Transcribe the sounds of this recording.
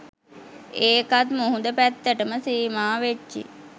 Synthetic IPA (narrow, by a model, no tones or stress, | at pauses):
eːkat̪muɦund̪əpæt̪ːəʈəməsiːmaːʋet͡ʃt͡ʃːḭ